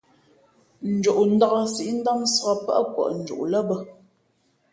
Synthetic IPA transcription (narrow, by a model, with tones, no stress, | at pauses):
n̩˨d͡ʒu˨ʔn̩˦da˦ɣə˦si˦ʔn̩˦da˦msə˨ɣa˦pa̰˦ʔkwɔ̰˨ʔn̩˨d͡ʒṵ˨ʔlə˦bə˦